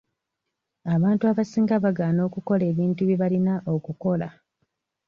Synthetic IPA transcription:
aβaːntuaβasiːŋɡaβaɡaːno̞ːkuko̞le̞ːβiːntuβiβalinaʔo̞kuko̞la

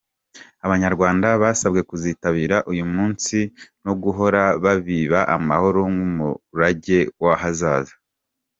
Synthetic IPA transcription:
aβaɲaɾɡwaːndaβaːsabɡe̞kuziːtaβiːɾaʔujumuːnsino̞ɡuɦo̞ɾaβaβiːβaʔamaho̞ɾoŋɡumṵɾaɟe̞waɦazaːza

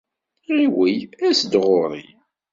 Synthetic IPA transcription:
ʁiwijæsd̪ʁoɾˤi

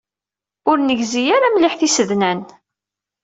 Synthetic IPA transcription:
ʊɾnəʝzijaɾamlɪħθisəðnæn

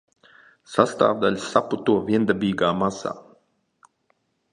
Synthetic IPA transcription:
sast̪a̰ːvd̪alʲsaput̪uɔvʲiɛnd̪abiːɡaːmasa̰ː

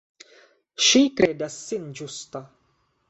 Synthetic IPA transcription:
ʃikɾedasːind͡ʒust̪a

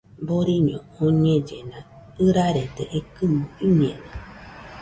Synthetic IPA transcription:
boɾiɲõoɲẽd͡ʒenã | ɯɾaɾed̪eʔekɨmõiɲḛ̃na

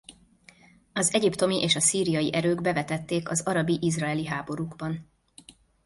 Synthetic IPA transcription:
ɒzɛɟipt̪o̞miʔeːʃɒsiːɾijɒjiʔɛɾøːɡbɛvɛt̪ɛt̪ːeːkɒzɒɾɒbiʔizraɛliɦaːbo̞ɾuːɡbɒn

